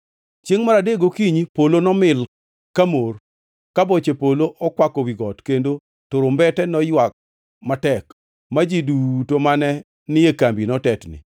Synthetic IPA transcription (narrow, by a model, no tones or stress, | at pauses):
t͡ʃjeŋmaɾadeɡokiɲpolonɔmɪl | kamor | kabot͡ʃepoloʔɔkwakɔwiɡɔtkendo | toɾombɛtɛnɔjwak̚ | matɛk | mad͡ʒidutomanɛ | nɪekambinɔtɛtnɪ̰